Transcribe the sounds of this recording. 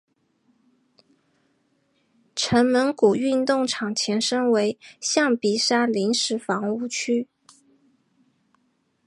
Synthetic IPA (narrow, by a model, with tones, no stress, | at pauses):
ʈ͡ʂʰə˧˥nmə˧˥nku˨˩y˥˧nt̪ʊ˥˩ŋʈ͡ʂʰɑ˨˩ŋt͡ɕʰjɛ˧˥nʂə˥ŋwe˧˥ɪɕjɑ˥˩ŋpi˨˩ʂa˥li˧˥nʂɻ̩˧˥fɑ˧˥ŋu˥˩t͡ɕʰy˥